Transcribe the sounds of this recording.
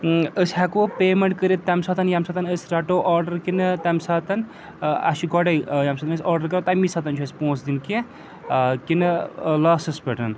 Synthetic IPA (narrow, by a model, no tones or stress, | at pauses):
əsʲhɛkopeːmɐɳʈ̚kəɾit̪ːɐmsat̪ɐnjɐmsɐt̪ɐnəsʲɾɐʈoːʔɔːɾɖɐɾkinɨt̪ɐmsaːt̪ɐn | ɐ̰ʃiɡɔɖɐjjamsɐt̪ɐnəsʲɔːɾɖɐɾkɐɾt̪ɐmisɐt̪ɐnt͡ʃʰɐsʲpõːt͡sd̪inki | kinɨlaːsɐspeʈɐn